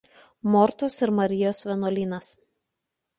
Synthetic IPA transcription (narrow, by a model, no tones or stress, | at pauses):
mɔɾt̪ʊsɪɾmɐɾʲɪjoːsʋʲɛnoːlʲiːnɐs